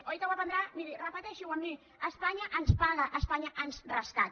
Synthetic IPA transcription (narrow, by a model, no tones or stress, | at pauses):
ojk̪aβapand̪ɾamiɾirapat̪eʃuwamːi | aspaɲaʔanspaɣaʔaspaɲaʔansraskat̪̚